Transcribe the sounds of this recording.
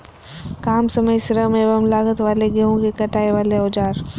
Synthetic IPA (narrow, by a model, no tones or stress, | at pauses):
kaːmsɐməjsɪɾəɦmẽʋɐmlaːɡət̪ʋaːleɡeɦõkʰekɐʈaːeʋaːleoːd͡ʒaːɾ